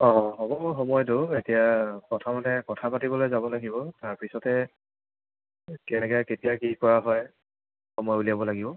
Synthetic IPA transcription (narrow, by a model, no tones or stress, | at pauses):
ɔ̃ɦɔbɔmuɹxɔmɔjdoetijakɔtʰamatɛkɔtʰapatibɔlojzabɔlaɡibɔtaɹpisɔtɛ | kɛnɛkɔjaketijakikɔɹaɦɔj | xɔmɔjuliabɔlaɡibɔ